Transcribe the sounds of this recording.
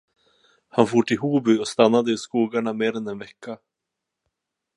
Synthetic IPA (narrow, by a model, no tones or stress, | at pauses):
hanfuːʈɪɦuːbʏɔst̪anːad̪əiskuːɡaɳameːɾɛnɛnvɛkːa